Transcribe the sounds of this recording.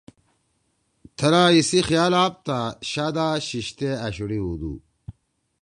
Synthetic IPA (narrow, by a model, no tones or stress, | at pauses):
t̪ʰɐɾaːisixjaːlaːp̚t̪aɕaːd̪aːɕiɕt̪eɐɕuɽiud̪ṵ